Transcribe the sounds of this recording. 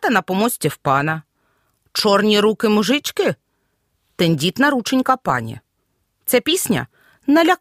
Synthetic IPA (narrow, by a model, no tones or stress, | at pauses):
t̪ɐnɐpɔmɔsʲtʲiwpɑnɐ | t͡ʃɔrnʲiɾukɪmʊʒɪt͡ʃkɪ | t̪enʲdʲit̪nɐɾut͡ʃenʲkɐpɑ̰nʲḭ | t̪sɛpʲisʲnʲɐ̰ | nɐlʲɐ